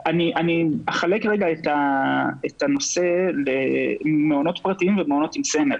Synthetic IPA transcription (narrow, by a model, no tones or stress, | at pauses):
aniʔaniaχale̞kʁeɡaet̪aet̪ano̞se̞lemeono̞t̪pʁatiimvemeo̞no̞t̪imsemel